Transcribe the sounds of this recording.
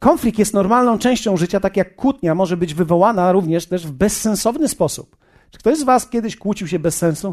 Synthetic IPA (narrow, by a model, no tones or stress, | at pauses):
kɔnflʲik̚t̪jɛst̪nɔɾmalnɔ̃w̃t͡ʂɛ̃w̃ɕt͡ɕɔ̃w̃ʐɘt͡ɕat̪akʲjakːut̪ɲamɔʐɛbɘd͡ʑvɘvɔwanaɾuvɲɛʂt̪ɛʐvbɛsːɛ̃nsɔvnɘspɔsṵp | t͡ʂɨ̥kt̪ɔʑzvaskʲjɛd̪ɘɕkwut͡ɕiwɕɛbɛsːɛ̃ñsu